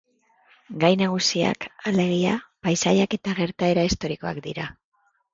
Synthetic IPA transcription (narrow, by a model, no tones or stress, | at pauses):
ɡajnaɣ̞usia̰kale̞ɣ̞iapajsaʎake̞t̪aɣe̞ɾt̪ae̞ɾaist̪o̞ɾiko̞a̰kd̪iɾa